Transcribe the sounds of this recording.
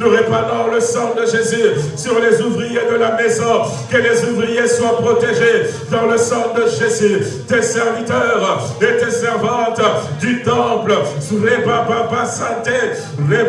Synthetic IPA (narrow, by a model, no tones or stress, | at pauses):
ʁepɑ̃d̪ɑ̃ləsɑ̃d̪əʒezysyʁlezuvʁijed̪əlamɛzɔ̃ | kəlezuvʁijeswapχɔt̪eʒed̪ɑ̃ləsɑ̃d̪əʒezyt̪esɛʁvit̪œʁ | et̪esɛʁvɑ̃t̪d̪yt̪ɑ̃pləsʁepãpãpasɛ̃t̪e | ʁe